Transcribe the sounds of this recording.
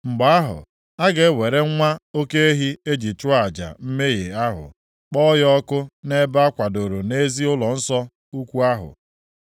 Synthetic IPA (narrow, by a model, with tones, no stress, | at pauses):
ŋ͡m̩˨ɡ͡ba˨a˦ɦʊ̰˨ | a˦ɡe˨˦we˨ɾe˦ŋʷa˦o˦ke˦e˦ɦi˦e˦d͡ʒi˨t͡ʃʊ˦a˨d͡ʒa̰˨m̩˦me˦je˨a˦ɦʊ̰˨ | k͡pɔ˦jɔ˦kʊ˦ne˦ba˦kʷa˨do˨ɾo˨ne˦zi˦ʊ˦lɔ˨n̩˦sɔ˦ | u˦kʷu˦a˦ɦʊ̰˨